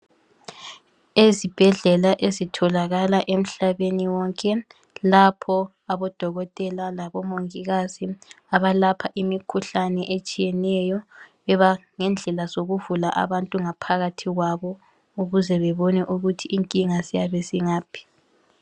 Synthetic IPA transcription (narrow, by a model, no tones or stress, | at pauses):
ezib̥ʱɛɮɛlaʔezitʰɔlaɣalaʔem̩ɬaβeniwɔŋkʼɛ | lapʰɔ | aβɔd̥ʱɔɣɔtʼɛlalaβɔmoŋiɣazi | aβalapʰaʔimikʰuɬanɛʔet͡ʃʼijɛnɛjɔβɛβaŋɛnd͡ɮʱɛlazoɣuvulaʔa̰βantʼuŋapʰaɣatʰiɣwaβɔ | uɣuzɛβɛβɔnɛʔuɣutʰiːŋkʼiŋazijaβeziŋaːpʰi̥